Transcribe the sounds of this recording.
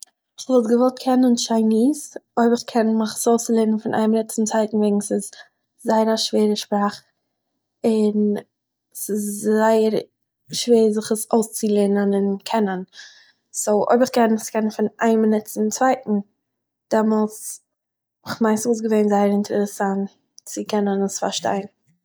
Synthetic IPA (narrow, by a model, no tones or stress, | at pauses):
ɪχvɔlˠtɡəvɔlˠt̚kʰɛnənʃaɪniːsoɪbɪχkʰɛnmɪχsoʊslˠeːnənfɪnʔa̰ɪmnɛt͡sɪm̩t͡sv̥aɪtn̩veɪɡŋ̩sɪs | zaɪəɾaʃveːɾəʃpɾaːχ | ɪn | sɪsaɪəɾ | ʃveːɾzɪχəsoʊst͡sɪlˠenənɪnkʰɛnən | soʊʔo̰ɪbɪχkɛnmɪχskʰɛnənfɪna̰ɪmənɛt͡sɪmt͡sv̥aɪtn̩ | d̥ɛmɔlˠs | ɪχmaɪnsuːs̬ɡəveɪnzaɪəɾɪntʰəɾəɾəsant | t͡sɪkʰɛnənəsfa̰ɾʃta̰ɪn